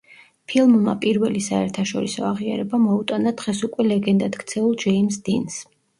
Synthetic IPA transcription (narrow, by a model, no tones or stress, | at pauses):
pʰilˠmma̰pʼiɾvɛlisaɛɾt̪ʰaʃɔɾisɔ̰aʁia̰ɾɛbamɔut̪ʼanad̪ʁɛsukʼwɛlɛɡɛnd̪ad̪kt̪sʰɛulˠd͡ʒɛimsd̪ins